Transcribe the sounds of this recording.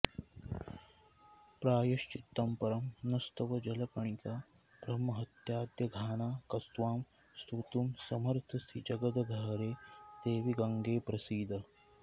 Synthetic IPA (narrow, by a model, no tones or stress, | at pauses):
pɾaːjɐʃt͡ʃit̪ːɐmpɐɾɐmnɐst̪ɐʋɐd͡ʒɐlɐkɐɳikaː | bɾɐmɐɦɐt̪jaːd̪jɐɡʱaːnaːkɐst̪ʋaːm | st̪ut̪umsɐmɐɾt̪ʰɐst̪ʰid͡ʒɐɡɐd̪ɐɡʱɐɦɾeːt̪eːʋiɡɐŋɡeːpɾɐsiːd̪ʱɐ